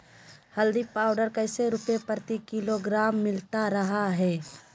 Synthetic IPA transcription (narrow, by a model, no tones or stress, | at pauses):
hɐld̪ipaːʊɖəɾkɐɪseɾʊpepəɾt̪ikɪloɡɾaːmːɪlt̪aɾɐɦaɦɛː